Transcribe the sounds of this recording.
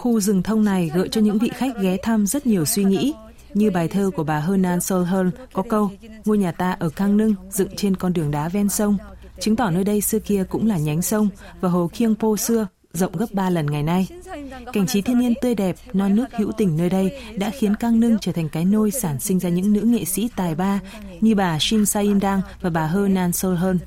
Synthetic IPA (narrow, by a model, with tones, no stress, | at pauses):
xu˧zɨ˨˩ŋt̪ʰə˧wŋ͡mna˨˩jɣə̰ː˧˨jt͡ɕɔ˧ɲɨ̰˧˥ŋvḭ˧˨xa˦˥jk̟̚ɣɛ˨˦t̪ʰa˧mzə˦˥t̚ɲi˨˩əwswi˧ŋḭ˧˥ | ɲɨ˧ɓaː˨˩jt̪ʰəː˧ku˧˩əɓaː˨˩ɦəː˧nːaː˧nso˧lɦəː˧nkɔ˨˦kə˧w | ŋo˧jɲaː˨˩t̪aː˧ʔəː˧˩kaː˧ŋnɨ˧ŋzɨ̰˧˨ŋt͡ɕe˧nkɔ˧nɗɨ˨˩əŋɗaː˨˦vɛ˧nsə˧wŋ͡m | t͡ɕɨ˨˦ŋt̪ɔ˧˩nəː˧jɗə˧jsɨ˧əki˧əkʊ̰˧˥ŋ͡mlaː˨˩ɲa˨˦jŋ̟sə˧wŋ͡m | vaː˨˩ɦo˨˩kʰi˧əŋpo˧sɨ˧ə | zə̰˧˨wŋ͡mɣə˦˥p̚ɓaː˧lə˨˩nŋa˨˩jna˧jka˧˩ŋ̟t͡ɕi˨˦t̪ʰi˧əni˧ənt̪ɨ˧əjɗɛ˨˩p̚nɔ˧nɨ˦˥ək̚hḭ˧˥wt̪ï˨˩ŋ̟nəː˧jɗə˧jɗa̰ː˧˥xi˨˦ənkaː˧ŋnɨ˧ŋt͡ɕəː˧˩t̪ʰŋ̟kaː˨˦jno˧jsaː˧˩nsï˧ŋ̟zaː˧ɲɨ̰˧˥ŋnɨ̰˧˥ŋḛ˧˨sḭ˧˥t̪aː˨˩jɓaː˧ | ɲɨ˧ɓaː˨˩si˧nsaː˧ʔi˧nɗaː˧ŋvaː˨˩ɓaː˨˩ɦəː˧naː˧nso˧lɦəː˧n